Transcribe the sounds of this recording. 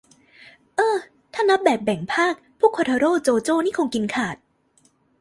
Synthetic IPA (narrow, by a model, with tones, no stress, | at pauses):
ʔɤː˧ | t̪ʰaː˥˩na˦˥p̚bɛː˨˩p̚bɛ˨˩˦ŋpʰaː˥˩k̚pʰuː˥˩kʰoː˧t̪ʰa˧ɾoː˥˩t͡ɕoː˧t͡ɕoː˥˩niː˥˩kʰoː˧ŋki˧nkʰaː˨˩t̪̚